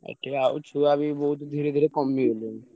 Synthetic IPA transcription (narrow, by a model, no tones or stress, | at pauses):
ɛ̰ʈʰːeao̰t͡ʃʰuabibɔɦut̪d̪ʱiɾed̪ʱiːɾekɔmːiɦoːluŋ